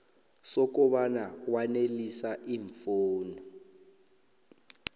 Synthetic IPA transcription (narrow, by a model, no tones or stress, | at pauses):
sɔk̬ɔɓanawanelisaʔiːɱfoːnɔ